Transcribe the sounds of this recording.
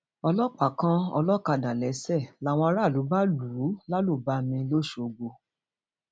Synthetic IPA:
ɔ˧lɔ˦k͡pa˨kã˦ɔ˧lɔ˦ka˧˨da˨lɛ˨˦sɛ˦˨la˨˦w̃ɔ̃˧a˧˦ɾa˦˨lu˨˦ba˦luː˨˦la˦lu˦˨ba˦mĩ˧lo˦ʃo˧˨˧ɡ͡bo˧

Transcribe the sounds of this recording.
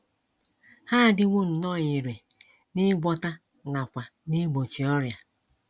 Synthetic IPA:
ha˦˨dɪ˦ŋʷo˦n̩˨nɔ˦˨ɲi˨ɾe˨ | nɪ˦ɡ͡bɔ˦ta˦ | na˨kʷa˨ni˦ɡ͡bo˨t͡ʃi˨ɔ˦ɾja˨

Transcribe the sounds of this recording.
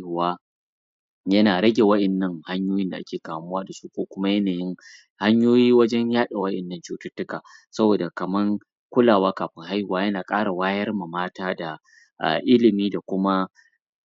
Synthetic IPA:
hʊ˨waː˦ | jɐ˦naː˨ɾɐ˦ɡʲe˨wɐ˦ɗɛ˨nːɐ˦ŋha˦ɲjoː˦jɪ˦nda̰˨ʔa̰˦kʲeː˨kaː˨mʊ˦waː˦da˨su̥˦kʷoː˦kʷʊ˦ma˦jɐ˦naː˨jɪ˦ŋ | ha˦ɲjoː˦jiː˦wɐ˦d͡ʒɛ˦ɲjaː˦ɗa˨wɐ˦ʔɛ˨nːɐ˦nt͡ʃuː˦tɐ˦tːʊ˦kaː˨sɐ˦boː˨da˨kɐ˨mɐ˦ŋ | kʷʊ˦laː˨waː˦kaː˨ɸɪ˦ŋɦa˦jhʊ˨waː˦jɐ˦naː˨kʼaː˦ɽa˨waː˦jɐ˦rma˨maː˦taː˦da˨ | ʔa̰˨ʔɪ˦lɪ˨miː˦da˨kʷʊ˦ma˦

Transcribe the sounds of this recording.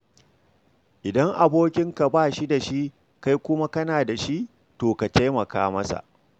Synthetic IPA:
ʔɪ˨dɐ˦ŋʔa˨boː˦kʲɪ˦ŋka˨baː˦˨ʃi˦da˨ʃi˦ | ka˦jkʷʊ˦ma˦kɐ˦naː˨da˨ʃi˦ʔ | toː˨ka˨ta˦jmɐ˨ka̰ː˦mɐ˦sa̰˨ʔ

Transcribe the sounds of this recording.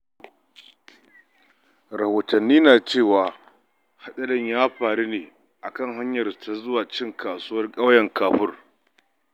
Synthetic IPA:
ɾɐ˨hoː˨tɐ˨nːiː˦naː˨t͡ʃeː˦˨waː˨ | ha˦ɗɐ˦lɪ˦ɲjaː˦ɸaː˨ɽe˦neː˨ | ʔa˨kɐ˦˨ŋɦa˦ɲjɐ˨rtʰa˦zʊ˦waː˨t͡ʃɪ˦˨ŋkʰaː˨sʊː˦wɐ˦rkʼa˦wjɐ˨ŋkʰaː˨ɸʊ˦r

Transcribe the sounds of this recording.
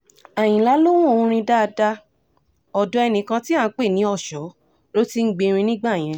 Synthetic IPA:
a˨j̃ĩ˨la˨˦lo˦w̃ũ˦õ˧ɾ̃ĩ˧da˦˧da˧ | ɔ˨dɔ̃˨˧ɛ˧nĩ˨kã˧ti˦ã˦˨˦k͡pe˦˨nĩ˨˦ɔ˦˨ʃɔ˨˦ | lo˦ti˦ŋ̩˦ɡ͡be˧ɾ̃ĩ˧nĩ˦ɡ͡ba˦˨j̃ɛ̃˧

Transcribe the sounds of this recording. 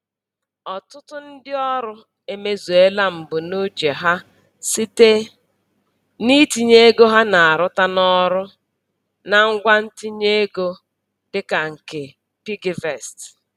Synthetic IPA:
ɔ˨tʊ˦tʊ˦n̩˦dɪ˦ɔ˦ɾʊ˦ | e˦me˦zo˨e˦la˦m̩˨bʊ˨no˦t͡ʃe˨ɦa˦ | si˦te˦ | ni˦ti˨ɲe˦ɡo˦ɦa˦na˨a˨ɾʊ˦ta˦nɔ˦ɾʊ˦ | na˦ŋ̩˦ɡʷa˦n̩˦ti˦ɲe˦ɡo˦ | dɪ˦ka˨ŋ̩˨ke˨ | pi˦ɡi˨ve˨st

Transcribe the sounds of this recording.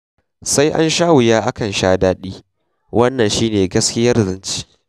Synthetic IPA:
sa˦jʔa̰˦nʃaː˦wʊ˨jaː˦ʔa˦kɐ˨nʃaː˦daː˦ɗiː˦ | wʔɐ˦nːɐ˨nʃiː˦neː˨ɡɐ˦skʲɪ˦jɐ˦rzɪ˦nt͡ʃi̥ː˦

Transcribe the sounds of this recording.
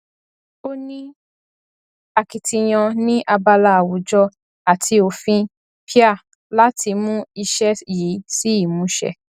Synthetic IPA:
o˦nĩ˦ | a˨ki˨tĩ˧j̃ɔ̃˧nĩ˦ʔa˧ba˧la˧a˨wu˨˦d͡ʒɔ˧ | a˨tʰi˧o˧˨fĩ˧ | pi˦a˦˨ | la˦ti˧mũ˦i˧ʃɛ˦ji˨˦si˦i˦˨mũ˨˦ʃɛ̰˧˨

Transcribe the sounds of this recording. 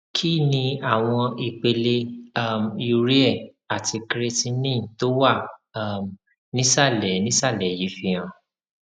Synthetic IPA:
kʰi˦˨nĩ˧a˦˨w̃ɔ̃˧i˧k͡pe˧le˧a˦˨mju˧ɾi˦ɛ˦˨ | a˨tʰi˧kɾe˧ti˦˧nĩ˦˨to˦wa˦˨˦m˨ | nĩ˦sa˦˨lɛ˨nĩ˦sa˦˨lɛ˨ji˨˦fi˧j̃ã˨

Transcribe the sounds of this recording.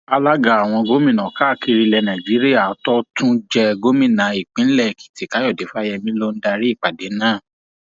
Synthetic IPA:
a˧la˦ɡa˦˨a˨w̃ɔ̃˧ɡo˦mĩ˦˨nã˨ka˦˨ki˧ɾi˧lɛ˧nã˨d͡ʒi˨˦ɾi˦a˦˨˦tɔ˦tʰũ˦d͡ʒɛ˧ɡo˦mĩ˦˨nã˨˦i˨k͡pĩ˨˦lɛ˦˨ki̥˨ti˨ka˨˦jɔ˦˨de˨˦fa˦jɛ˧mĩ˦lo˦n̩˦da˧ɾi˦i˦˨k͡pa˨de˨˦nãː˦˨

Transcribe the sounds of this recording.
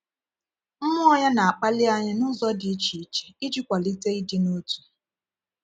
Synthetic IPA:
m̩˦mʊ˦ɔ˦ja˦na˨a˨k͡pa˦lɪ˦a˦ɲɪ˦nʊ˦zɔ˦dɪ˨i˦t͡ʃi˨˦t͡ʃe̥˨i˦d͡ʒi˦kʷa˨li˦te˦i˦di˦no˦tu̥˨

